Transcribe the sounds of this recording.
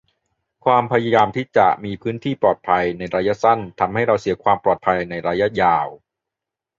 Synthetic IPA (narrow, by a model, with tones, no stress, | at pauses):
kʰwaː˧mpʰa˧ja˧jaː˧mt̪ʰiː˥˩t͡ɕa˨˩ʔmiː˧pʰɯː˦˥nt̪ʰiː˥˩pɔː˨˩t̪̚pʰa˧jna˧jɾaː˧ja˦˥sa˥˩nt̪ʰa˧mha˥˩jɾa˧wsi˨˩˦kʰwaː˧mpɔː˨˩t̪̚pʰa˧jna˧jɾaː˧jːa˦˥jaː˧w